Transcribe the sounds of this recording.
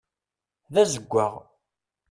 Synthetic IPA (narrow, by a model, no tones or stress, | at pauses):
ðæzəɡʷːaʁ